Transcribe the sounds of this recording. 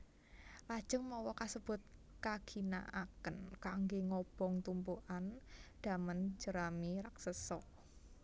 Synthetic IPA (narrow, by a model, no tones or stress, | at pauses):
lad̥ʒ̥ə̤ŋmɔwɔkasəb̥ʊ̤t̪̚ | kaɡ̥i̤na̰ʔakənkaŋɡeŋɔb̥ɔ̤ŋt̪umpuʔand̪̥a̤mənd͡ʒ̥əɾamiɾaksəsɔ